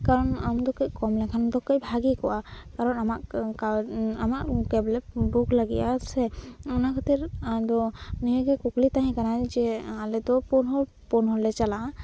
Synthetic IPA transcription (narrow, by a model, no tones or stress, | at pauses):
kaɾɔnamd̪ɔkəʔkɔmlɛkʰand̪ɔkejbʱaɡikɔʔakaɾɔnamaʔkaamaʔkɛblɛbuklaɡḭʔasɛɔnakʰat̪ɛɾad̪ɔnijɡɛkuklit̪aɦɛ̃kanad͡ʒɛalɛd̪ɔpɔnɦɔ | pɔnɦɔlɛt͡ʃalaʔa